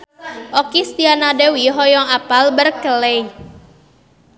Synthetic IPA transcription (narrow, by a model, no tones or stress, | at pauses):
ʔɔkist̪ianadewiɦɔjɔŋapalbərkəlei